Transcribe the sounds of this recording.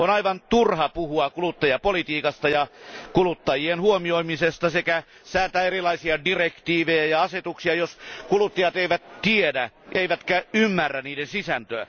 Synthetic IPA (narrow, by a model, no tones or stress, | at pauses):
onɑiʋɑnt̪urhɑpuhuɑkulut̪ːɑjɑpolit̪iːkɑst̪ɑjɑkulut̪ːɑjienhuomioimisest̪ɑsekæ | sæːt̪æerilɑisiɑdirekt̪iːʋejæjɑɑset̪uksiɑjoskulut̪ːɑjɑt̪eiʋæt̪t̪iedæ | ʔeiʋæt̪kæymːærːæniːdensisænt̪øæ̰